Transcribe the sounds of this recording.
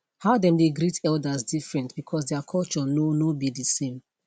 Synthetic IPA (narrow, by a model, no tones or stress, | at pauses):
haʊdɛ̃mdeɡɾitʰɛldasdifɹɛ̃ntb̥ikʰɔs̬dɛakʰɔlt͡ʃɔnonobidisẽm